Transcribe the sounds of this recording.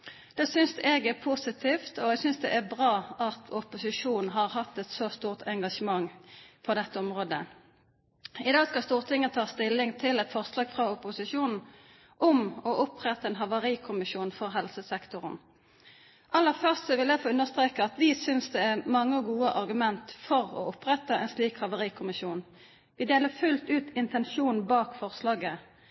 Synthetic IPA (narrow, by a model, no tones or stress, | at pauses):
d̪̥ɛːsʏnsɛɡæʁpʰusɪt̪ʰiːft̪ɔɛɡsʏnsd̪ɛ̰ʔæʁbʁɑːɑt̪ʰʊpʊsɪʂuːn̩ɦɑʁhɑt̪ːɛt̪soːst̪uːʁt̪ʰɛŋɡɑʂəmɑŋːpʰɔd̪ɛt̪ːəɔmʁoːd̪ə | ɪd̪ɑːskɑst̪uːʁt̪ʰɪŋːəət̪ʰɑːst̪ɪlːɪŋt̪ʰɪlɛt̪fɔʁslɑːɡfʁɑʊpʊsɪʃuːnn̩ | ʔʊmɔʔʊpʁɛt̪ːɑɛːnɦɑʋɑʁiːkʰʊmɪʃuːnfɔʁɦɛlsəsɛkt̪ʊʁn | ʔɑlːəʁfœʁstsɔʋɪljæɪfoːʉnːəʁst̪ʁeːkəɑt̪ʋɪsʏnsd̪ɛæʁmɑŋːəɡuːəʔɑʁɡʉmɛnt̪fɔʁɔ̰ʊpʁɛt̪ːəɛnsliːkhɑʋəʁiːkʰʊmɪʃjuːn | ʋɪd̪eːləʁfʉlt̪ʉːt̪ɪnt̪ɛnʃuːn̩bɑːkfɔʁslɑːɡə